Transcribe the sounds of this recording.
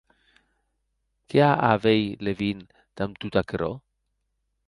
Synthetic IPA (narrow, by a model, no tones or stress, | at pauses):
keaʔavejlevin | t̪amt̪ut̪akɾo̰